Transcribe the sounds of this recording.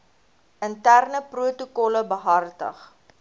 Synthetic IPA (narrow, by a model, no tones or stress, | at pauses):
əntærnəpruətukɔləbəɦɐrtə̰χ